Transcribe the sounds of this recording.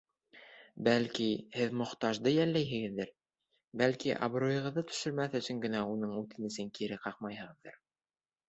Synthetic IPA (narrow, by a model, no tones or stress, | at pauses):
bælkihɘðmŏχt̪ɑʒd̪ɤjælːæjɦɘ̆ɡɘ̆ðːɘɾ | bælkiʔɑ̰bɾojɤ̆ʁɤ̆ðːɤt̪ɵ̥̆ʃɵ̆ɾmæθɵ̆sɵŋɡɘ̆næunɤɴʉt̪ɘnɘ̆sɘŋkiɾɘqɑqmɑjhɤ̆ʁɤ̆ðːɤ̰ɾ